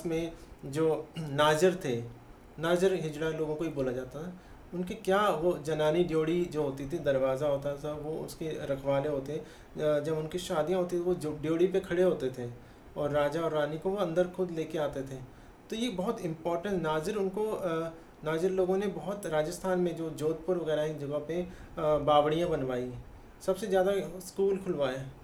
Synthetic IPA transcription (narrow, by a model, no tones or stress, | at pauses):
smẽd͡ʒoːnaːd͡ʒəɾt̪ʰe | naːzəɾɦɪd͡ʒɽaloːɡõkoɦiboːlad͡ʒaːt̪aɦɛ | ʊnkekjaːʋod͡ʒɐnaːniɖjoːɽid͡ʒoːɦoːt̪it̪ʰid̪ɐɾʋaːzaɦoːt̪asɐʋoʊ̰skeɾɐkʰʋaːleɦoːt̪eɛ̃ | d͡ʒɐbʊnkiʃaːd̪ijãɦoːt̪iioʋoɖjoːɽipekʰɐɽeɦoːt̪et̪ʰe | ɔːɾːaːd͡ʒaɔːɾːaːnikoʋoɐ̃nd̪əɾxʊd̪leːkeaːt̪et̪ʰeː | t̪ojebɐɦʊt̪ɪ̃mpɔːɾʈə̃ɳnaːzɪɾʊnko | naːzɪɾloːɡõnebɐɦʊt̪ɾaːd͡ʒəst̪ʰaːnmẽd͡ʒoːd͡ʒoːt̪̚pʊɾʋɐɣɛːɾaid͡ʒɐɡape | baːʋɽijãbɐnʋaːi | sɐbsezjaːd̪askuːlkʰʊlʋaːjaː